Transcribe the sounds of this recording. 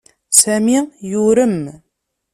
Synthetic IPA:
sæmijʊɾəm

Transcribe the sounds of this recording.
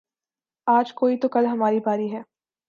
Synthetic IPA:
aːd͡ʒkoːit̪okɐlɦɐmaːɾibʱaːɾiɦɛː

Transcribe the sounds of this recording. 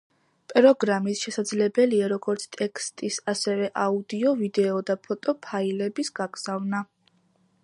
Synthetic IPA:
pʼɾɔɡɾamisʃɛsad̪zlɛbɛliaɾɔɡɔɾt̪sʰt̪ʼɛkʰst̪ʼisasɛvɛʔaud̪iɔvid̪ɛɔd̪apʰɔt̪ʼɔpʰailɛbisɡ̥aɡz̥avna

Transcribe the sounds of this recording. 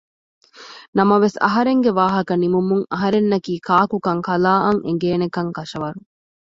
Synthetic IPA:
nɐmɐʋesɐ̰ɦɐɾeŋɡeʋaːɦɐkɐnimumuŋɐɦɐɾenːɐkiːkaːkukɐŋkɐlaːʔɐŋʔḛŋ̆ɡeːnekɐŋkɐʃɐʋɐɾu

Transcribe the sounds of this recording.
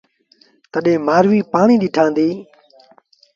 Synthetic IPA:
t̪əɗẽːmaːɾʋiːpaːɳiːɗ̪iːʈʰãːnd̪iː

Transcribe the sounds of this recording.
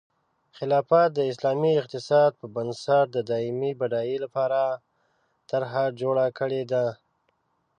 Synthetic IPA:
xɪlɑfat̪̚d̪əɪslɑmiɪq̚t̪ɪsɑd̪̚pəbansaɾ̚d̪əd̪ɑɪmibaɖɑjelapɑɾa | t̪aɾɦad͡ʒoɽakəɽed̪a

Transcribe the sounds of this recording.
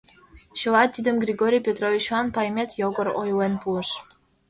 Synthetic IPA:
ɕɤ̆lɑt̪ːid̪əmɡrʲiɡoɾʲijpʲet̪rovʲit͡ɕɑnpɑjmʲet̪joɡɤ̆ɾojlenpulə̆ʃ

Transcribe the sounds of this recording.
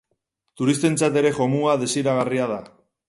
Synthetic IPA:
t̪uɾist̪e̞nt͡sat̪e̞ɾe̞ʝo̞muaðe̞siɾaɣariað̞a

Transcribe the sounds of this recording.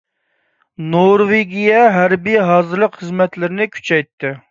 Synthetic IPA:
noɾveɡʲijɛɦæɾbijɦɑːzɨɾlˠəqχəzmɛt̪lɪɾɪnɪkʲʰy̥t͡ʃʰɛjt̪ːɨ

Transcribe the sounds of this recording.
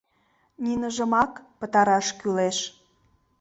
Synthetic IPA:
ninəʒə̆mɑkpət̪ɑɾɑʃkyleʃ

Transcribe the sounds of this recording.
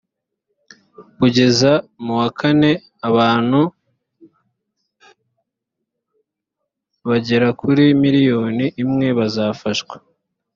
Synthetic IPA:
kuɟe̞zamuwakʰane̞ | aβaːn̥hu | βaɟe̞ɾakuɾimiɾijo̞ːniʔːmŋe̞βazaːfaʃɡwe̥

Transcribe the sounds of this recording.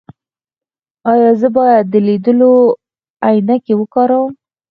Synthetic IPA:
ɑjɑzəbɑjad̪ːəled̪əlo | ajnakewəkɑɾawəm

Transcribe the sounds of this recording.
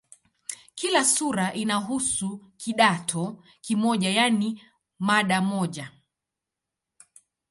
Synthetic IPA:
kilasuɾaʔinaɦusukʰiɗatʰɔ | kimɔʄajani | maɗamɔʄa

